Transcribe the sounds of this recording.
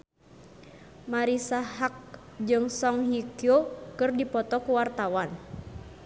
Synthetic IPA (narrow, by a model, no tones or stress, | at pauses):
maɾisaɦak̚ | d͡ʒɨŋsɔŋɦikiokɨrdipɔt̪ɔkuwart̪awan